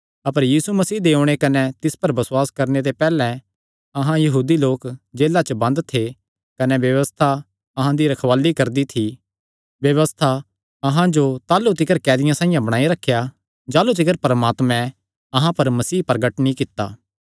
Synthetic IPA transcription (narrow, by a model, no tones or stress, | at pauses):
ɐpəɾjiːsumɐsiːd̪eːʊ̃ɽ̃ekɐnɛt̪ɪspɐɾbɐsʊwaːskɐɾnet̪epɛːlɛ̃ | ɐɦãjɐɦuːd̪iloːkd͡ʒeːlat͡ʃəbɐ̃nd̪t̪ʰe | kɐnɛʋjɐʋəst̪ʰa | ɐɦãd̪iɾɐkʰʋaːlikɐɾd̪it̪ʰi | ʋjɐʋəst̪ʰa | ɐɦãd͡ʒot̪aːlut̪̬ɪkəɾkɛːd̪ɪjãsãːĩjãbɐɽ̃aːiɾɐkʰːja | d͡ʒaːlut̪̬ɪkəɾpɐɾmaːt̪mɛ̃ | ɐɦãpɐɾmɐsiːpɾɐɡəʈnĩkɪt̪ːa̰ː